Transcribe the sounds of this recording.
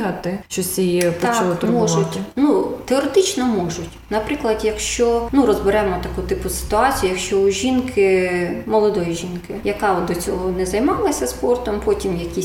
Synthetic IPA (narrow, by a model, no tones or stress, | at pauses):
ɦɐt̪ɪt͡ʃɔsʲiipɔt͡ʃɐlˠɪt̪ʊɾmbɔʒʊtʲnut̪eɔɾet̪ɪt͡ʃnɔmɔʒʊtʲnɐpɾɪklˠɐd̪jɐkʃt͡ʃɔnuɾɔzbɪɾɛmɔt̪ɐkut̪ɪpʊsɪ̥t̪ʊɑt͡sʲijʊjɐkʃt͡ʃɔʊʒʲinkʰɪmɔlˠɔd̪ɔjiʒʲinkɪjɐkɑɔd̪ɔt͡sʲɔɦɔnɛzɐjmɑlˠɐsʲɐspɔrt̪ɔmpɔtʲimjɐkʲi